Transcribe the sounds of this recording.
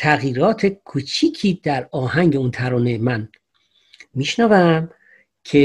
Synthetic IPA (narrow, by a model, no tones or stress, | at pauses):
t̪ʰæɣjiːɾɒːt̪ʰe̞kʰut͡ʃʰiːcʰiːd̪̥æɾɒːhæŋɟe̞unt̪ʰæɾɔːnemæn | miʃnævæm | cʰe